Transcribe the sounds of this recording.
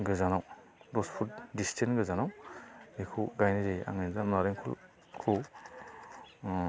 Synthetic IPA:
ɡɯzanaw | ɾɔspʰutdistʰenɡɯzanawikʰuɡajnizeja̰ŋezamnaɾeŋkʰṵl | kʰu

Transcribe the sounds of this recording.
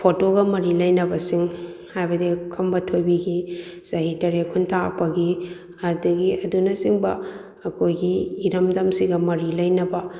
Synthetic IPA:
pʰotoɡɐmɐɾilɐjnɐbɐsiŋhajbɐdikʰɐmbɐtʰojbiɡisɐɦitɐɾekʰuntʰaɐ̰pɐɡi | ɐdɐɡiʔɐdunɐsiŋbɐ | ɐkʰojɡiːɾɐmdɐmsiɡɐmɐɾilɐjnɐbɐ

